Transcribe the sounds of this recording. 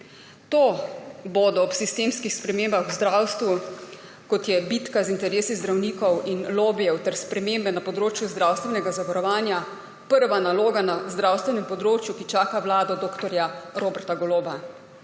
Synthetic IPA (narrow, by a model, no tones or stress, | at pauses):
t̪oːbod̪ɔːpsist̪eːmskixspɾɛmeːmbaxwzd̪ɾaːwst̪ʋu | kɔt̪jɛbit̪kazint̪ɛɾeːsizd̪ɾawniːkɔwʔinloːbijɛwt̪ɛɾspɾɛmeːmbɛnapɔd̪ɾoːt͡ʃjuzd̪ɾawst̪ʋɛnɛɡazaʋaɾɔʋaːnja | pəɾʋanaloːɡanazd̪ɾaːwst̪ʋɛnɛmpɔd̪ɾoːt͡ʃjukit͡ʃaːkaʋlaːd̪ɔd̪oːkt̪ɔɾjaɾoːbɛɾt̪aɡɔloːba